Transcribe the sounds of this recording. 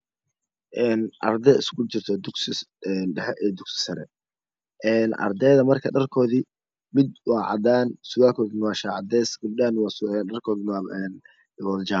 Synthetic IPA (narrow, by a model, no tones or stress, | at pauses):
ʔɛːnʔɐ̰rd̪ɛɪskʰʊt͡ʃɪrt̪ʰɔd̪ʊɡsɪɛnɛɛʔɛd̪ʊɡsɪ̥sɐɾɛ̰ | ʔɛːnʔɐ̰rd̪ɛːðɐmɐrkʰɐɖɐrkʰɔːði | mɪd̪wɑːʕɑ̰d̪aːnsʊɣaːkʰɔːðɪnwɑːʃaːʕɑd̪ɛːsɡʊbdaːnwɑsɐrkʰɔːðɪnːɛn | wɐld͡ʒa